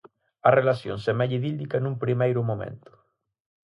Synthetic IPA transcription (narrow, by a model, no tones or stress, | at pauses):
ɐrelasjo̰nsɛmajʎiðild̪ikanũmpɾimejɾʊmomḛ̃nt̪ʊ̥